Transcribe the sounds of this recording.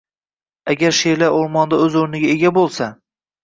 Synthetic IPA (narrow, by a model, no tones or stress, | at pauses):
aɡʲaɾʃelaoɾmɒnd̪aɵzɵɾnɪɡʲaeɡʲabolˠsa